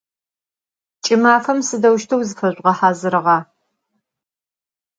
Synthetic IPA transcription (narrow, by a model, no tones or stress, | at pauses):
t͡ʃʼɪmaːfɐmsɨdɐwʃtʰɐwzɨfɐɕʷʼʁɐħaːzɨɾɨʁɑː